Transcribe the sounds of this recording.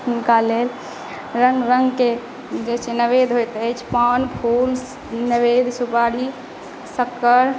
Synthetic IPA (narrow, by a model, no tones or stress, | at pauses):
ʊnkalel | ɾəŋɡɾəŋɡke | d͡ʒet͡ʃʰenəʋed̪ʱɦojt̪ət͡ʃʰpaːnpʰul | nəʋed̪supaɽi | səkːəɾ